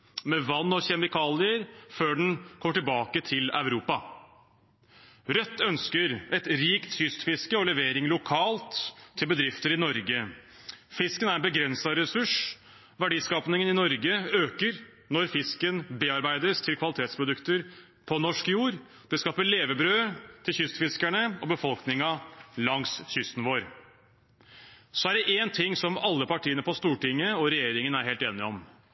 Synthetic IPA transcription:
mɛʋɑnːɔçɛmɪkʰɑːlɪəɾføːɖɛnkʰɔmːəʈɪlbɑːkət̪ʰɪlœ̰ʉɾuːpɑ | ɾœt̪ːœnskəɾɛt̪ɾiːkt̪sʏst̪fɪskəɔlɛʋeːɾɪŋlʊkʰɑːlt̪ʰːɪlbəd̪ɾɪft̪əɾɪnɔɾɡə | fɪskənæɾɛbəɡɾɛnsɑɾɛsʉʂ | ʋæɖiːskɑːpnɪŋənɪnɔɾɡəøːkəɾ | nɔɾfɪskənbeːɑɾbæɪd̪əst̪ʰɪlkʰʋɑlɪt̪ʰeːt̪spʰɾʊd̪ʉkt̪əɾ | pʰɔnɔʂkjuːɾ | d̪̥ɛskɑːpəɭeːʋəbɾøːt̪ʰɪlçʏst̪fɪskæɳəɔbəfɔlknɪŋɑlɑŋsçʏst̪n̩ʋoːɾ | sɔæɖɛʔeːnt̪ʰɪŋːsɔmɑlːəpɑʈʰiːənəpʰɔst̪uːʈɪŋːəɔɾɛjeːɾɪŋənæɾheːlt̪eːnɪɔm

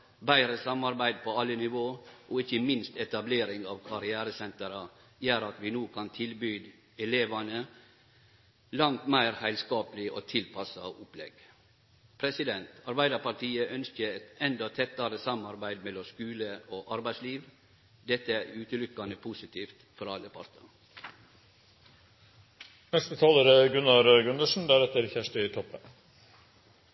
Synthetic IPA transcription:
bæɪɾəsɑmɑɾbæɪd̪̚pʰɔɑlːənɪʋoːʔɔɪçəmɪnst̪ɛt̪ɑbleːɾɪŋɑʋkʰɑɾɪæːɾəsɛnt̪əɾɑ | jæːɾɑt̪ʋɪnuːkʰɑnt̪ʰɪlbyːd̪ | ɛleːʋɑnə | lɑŋt̪mæɪɾhæɪlskɑːpəlɪʔo̰ːt̪ʰɪlpʰɑsɑʊplɛ̰ɡ | pʰɾɛsɪd̪ɛnt̪ɑɾbæɪd̪ɑɾpɑʈiːəʔœnskəɛt̪ɛnd̪ɑt̪ʰɛt̪ːɑɾəsɑmɑɾbæɪd̪mɛlɔmskʉːləoːʔɑɾbæɪsliːʋ | d̪ɛt̪ːəæɾʉːt̪əlʏkːɑnəpʰusɪt̪ʰiːft̪fɔɾɑlːəpʰɑ̰ɾt̪ə | nɛst̪ət̪ʰɑːləɾɡʉnːɑɾəɡʉnəʂn̩d̪æɾɛt̪ːəɾçæʂʈəɪt̪ʰɔpːə

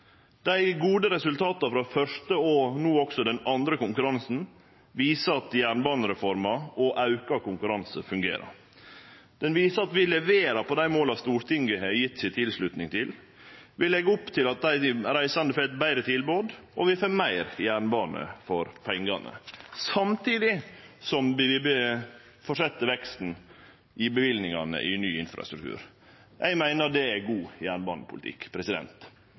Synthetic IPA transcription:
d̪̥æɪɡuːd̪əɾɛsʉlt̪ʰɑːt̪ɑfɾɑfœʂtəɔnuːɔksɔd̪ɛnɑnd̪ɾəkʊŋkʉɾɑnsn̩ | ʋiːsəɑt̪jæːɳbɑːnəɾɛfɔɾmɑɔʔɑʉkɑkʊŋkʉɾɑnsəfʉŋɡḛːɾɑ̰ɾ | d̪̥ɛnʋiːsəɑt̪ʋɪlɛʋeːɾɑpɔd̪æɪmoːlɑst̪uːɾt̪ʰɪŋɡəɛjɪt̪ːsɪt̪ʰɪlslʉt̪nɪŋt̪ʰɪl | ʋɪlɛɡʊpt̪ʰɪlɑt̪̚d̪æɪɾæɪsɑnd̪əføːɛt̪bæɪɾət̪ʰɪlboːd̪ | ɔʋɪføːmæɪɾjæːɳbɑːnə̰fɔɾpʰɛŋɡɑnʔə̰sɑmt̪ʰiːd̪ɪsɔmbɪɪb | fɔʂɛt̪ːəʋɛkst̪n̩ | ʔɪbəʋɪlnɪŋɑnə̰ʔɪnyːɪnfɾɑ̰st̪ɾʉk̚t̪ʉ̰ːɾ | jʔæɪmæɪnəd̪ɛæɡuːjæːɳbɑːnəpʰʊlt̪ɪ̰kːpʰɾɛsɪd̪ɛ̰nt̪

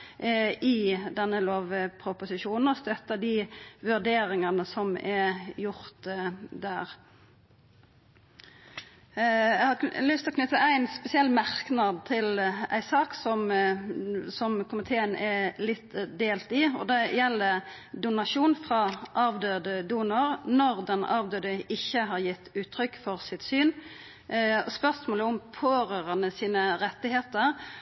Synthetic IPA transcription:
ɪd̪ɛnːəloːʋpʰʁʊpʊsɪʃuːnn̩ɔst̪œt̪ːəd̪iʋʉʁd̪eːɾɪŋɑnəsɔmɛjʊʁt̪d̪æːʁ | jɛhɑlʏst̪ɪlɔknʏt̪ːəʔæɪnspɛsɪɛlːmɑʁknɑd̪̚t̪ʰɪlæ̰ɪsɑːksɔm | sɔmkʰʊmɪt̪ʰeːənɛlɪt̪d̪eːlt̪ɪɔ̰d̪ɛjɛlːə | d̪ʊnɑʃuːnfʁɑʔɑːʋd̪øːd̪əd̪uːnəʁnɔʁd̪ɛnɑ̰ːʋd̪øːd̪əɪçːəɦɑʁjɪt̪ːʉːt̪ʰʁʏkfɔʁsɪt̪syːn | spœʁsmoːləʊmpʰoːɾøːʁɑnəsiːnəʁɛt̪ːɪheːt̪əʁ

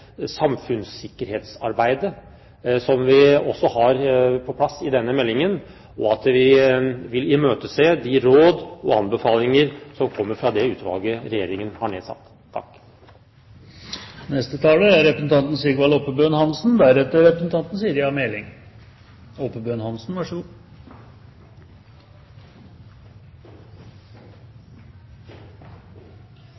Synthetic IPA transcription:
sɑmfʉnsɪkːəɾheːt̪sɑɾbæɪd̪ə | sɔmʋɪɔsːɔhɑɾpʰɔpʰlɑsːɪd̪ɛnːəmɛlːɪŋən | ɔɑt̪ʋɪʋɪlɪmøːt̪əseːd̪ɪɾoːd̪ɔɑnbəfɑːlɪŋəɾsɔmkʰɔmːəɾfɾɑd̪ɛʉːt̪ʰʋɑ̰ːɡəɾɛjeːɾɪŋənhɑɳḛːd̪sɑ̰t̪ʰːɑ̰k | nɛst̪ət̪ʰɑːləæɾɾɛpɾəsn̩t̪ʰɑnt̪n̩sɪɡʋɑlɔpːəbøːnhɑnsn̩d̪æɾɛt̪ːəɾɾɛpɾəsn̩t̪ʰɑnt̪n̩siːəɾjɑmɛlɪŋ | ɔpəbøːnhɑnsn̩ʋæʂəɡuː

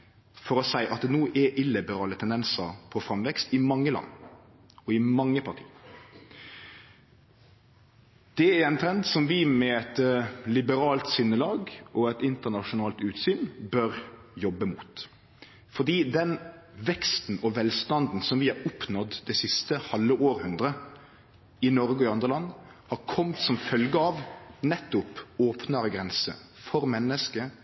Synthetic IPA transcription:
fɔɾɔsæɪʔɑt̪̚d̪ɛnuːʔɛʔɪlːɪbəɾɑːlət̪ʰɛnd̪ɛnsəɾpʰɔfɾɑmʋɛkst̪ɪmɑŋːəlɑ̰nː | ɔɪmɑŋːəpʰɑʁt̪ʰḭː | d̪̥ɛæɛnt̪ʰɾɛnd̪sɔmʋɪmɛɛt̪lɪbəɾɑːlt̪sʏnːəlɑːɡɔɛt̪ɪnt̪ənɑʂʊnɑːlt̪ʉːt̪syːnbœɾ | jɔbːəmuːt̪ | fɔd̪iːd̪ɛnʋɛkst̪n̩ɔʋɛlst̪ɑnd̪n̩sɔmʋɪɑɾʊpnɔd̪d̪ɛsɪst̪əhɑlːəʔoːɾhʉnd̪ɾə | ɪnɔɾɡəɔɪɑnd̪ʁəlɑnː | hɑɾkʰɔmt̪sɔmfœlɡəɑːʋnɛt̪ːʊpoːpnəɾɡɾɛnsə̰ | fɔɾmɛnːəskə

